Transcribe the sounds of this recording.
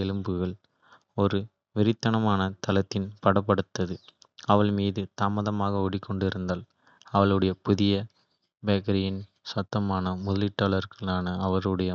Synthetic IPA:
ɛlɯmbɯɣɐɭ | ɔɾɯ | ʋɪɾɪt̪ːɐɳɐmaːnɐt̪ɐlɐt̪ːɪnpɐɽɐpːɐɽɯt̪ːɐðɯ | ɐʋɐɭmiːðɯt̪aːmɐðɐmaːɣɐɔɽɪkːɔɳɖɪɾɯnd̪aːl | ɐʋɐɭɯɽɐjɐpʊðɪjɐ | beːkɐɾɪjɪn | sɐt̪ːɐmaːnɐmʊðɐlɪʈːɐːɭɐɾɣɐɭaːnɐɐʋɐɾɯɽɐjɐ

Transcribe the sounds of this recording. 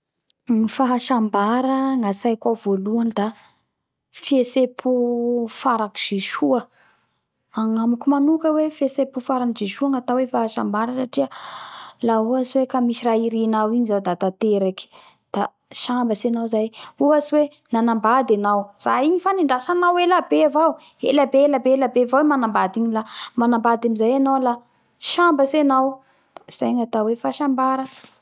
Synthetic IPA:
nifaɦaʃambaɾəŋasajkavoluand̪a | fiesepʰufaɾaki̥d͡ʒeʃuə | aŋamukumanukəwefesepufaɾanid͡ʒeʃuəŋat̪awefaɦaʃambaɾəsaʈ͡ʂiə | lauasiwekamisiraiɾinawiɲizad̪at̪at̪eɾaki̥ | d̪̥a | ʃambəsenawzajuaswe | nanambad̪enawraiɲifaniɳɖ͡ʐasanawelabeavaw | ḛlabeelabelabevawemanambad̪iɲilamanambad̪amizajanawla | ʃambəsenaw | z̥a̰jŋat̪awefaʃambaɾə

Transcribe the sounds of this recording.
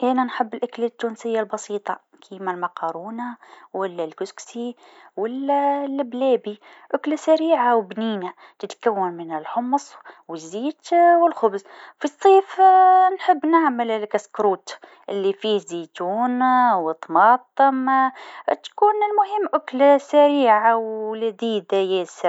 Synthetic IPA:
ʔænænħɪbːɪlʔʊklɪt̪ːuːnsɪjːalbɑsiːt̪ˤɑ | kʰiːmalmɑqɑːɾˤuːnawalːælkʊsksiwalːælblæːbi | ʔʊklasaɾiːʕawbniːna | t̪ɪt̪kawːɪnmɪnɪlħʊmsˤwɪzːiːt̪wɪlxʊbz | fisˤːiːfnħɪbːnɪʕməllkaskɾuːt̪ | ʔɪlːifiːhziːt̪uːnwət̪ˤmɑːt̪ˤːɨm | t̪kuːnɪlmʊɦɪmːʔʊklasaɾiːʕawlad̪iːd̪ajɛːsɪ

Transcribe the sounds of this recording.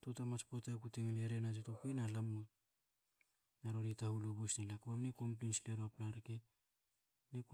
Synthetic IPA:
totamat͡ʃpotakuteŋleɾenat̬etokenalamo | naɾoɾitahulobusnalakoamneko̞mplinsleɾoaplaɾke | nek

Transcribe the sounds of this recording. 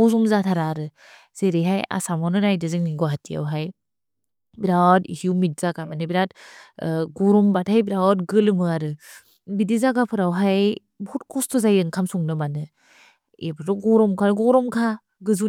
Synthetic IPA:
ɔzɔmzatʰaɾaɾɯ | z̥eɾeɦaja̰samɔwnɯɾajdɯzɯŋniɡɔɦatija̰wɦaj | biɾawtḭsiuwmit̚z̥aɡamanɯbiɾat | ɡɔɾɔmbathajbiɾawtɡɯlɯmɯaɾɯ | bidizaɡapʰɯɾawɦaj | bɔtkʰɔstʰɔzajɯŋkʰamsɔŋnɯmanɯ | ebʰɯɾɔɡɔɾɔmkʰaɾɯɡɔɾɔmkʰa | ɡɯzu

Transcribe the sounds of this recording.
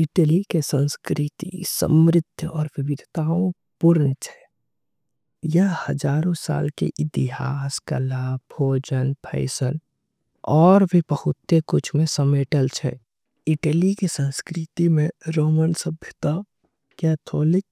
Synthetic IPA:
ɪʈəlikesə̃nskɾɪt̪ḭsə̰mɾɪd̪ʱjəɔːɾʋɪbɪd̪ʱt̪aːõ | pʊɾnət͡ʃʰɛ̥ | jəɦhəd͡ʒaːɾõsa̰ːlkḛʔɪt̪iɦaːskə̰laːbʱoːd͡ʒənpʰə̰ɪsən | ɔːɾbʱibəhʊt̪ːekʊt͡ʃʰmẽsəmeːʈəlt͡ʃʰɛ̰ | ɪʈəlikesə̃nskɾɪt̪imẽɾoːmənsəbʱjət̪a | kɛːt̪ʰoːlɪk̚

